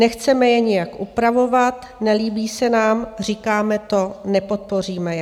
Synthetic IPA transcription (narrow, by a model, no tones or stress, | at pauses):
nɛxt͡sɛmɛjɛɲɪjakʔupɾavo̞vat̪ | nɛliːbiːsɛnaːmr̝ikaːmɛt̪o̞nɛpo̞t̪̚po̞riːmɛjɛ